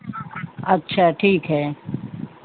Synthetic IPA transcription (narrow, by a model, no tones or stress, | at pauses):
ɐtːʃʰaːʈʰiːkɦɛː